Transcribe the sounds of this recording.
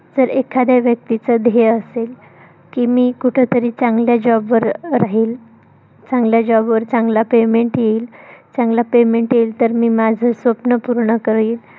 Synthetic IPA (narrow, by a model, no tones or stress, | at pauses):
d͡zəɾekʰad̪aʋjək̚t̪it͡səd̪ʱeəsel | kiːmiːkuʈʰet̪əɾiːt͡sãŋɡljad͡ʑɔbʋəɾɾaɦiːl | t͡sãŋɡljad͡ʑɔbʋəɾt͡sãŋɡlapemeɳʈjeiːlt͡sãŋɡlapemeɳʈjeiːlt̪əɾmiːmad͡zʱəsʋəpnəpuɾɳəkəɾiːl